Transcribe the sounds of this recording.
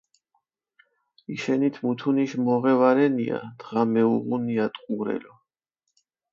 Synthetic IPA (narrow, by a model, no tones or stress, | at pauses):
iʃɛnit̪ʰmut̪ʰuniʃmɔʁɛvaɾɛnḭa̰d̪̥ʁamɛuʁuniat̪ʼqʼuɾɛ̰lɔ